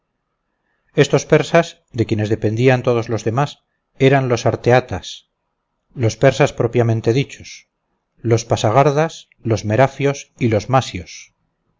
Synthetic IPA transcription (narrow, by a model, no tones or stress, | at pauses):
e̞st̪o̞spe̞ɾsas | d̪e̞kje̞ne̞zðe̞pe̞nd̪iant̪o̞ð̞o̞zlo̞zðe̞mas | e̞ɾanlo̞saɾt̪eat̪as | lospe̞ɾsaspɾo̞pjamẽ̞nt̪e̞ðit͡ʃo̞s | lo̞spasaɣ̞aɾðas | lo̞zme̞ɾafjo̞silo̞zmasjos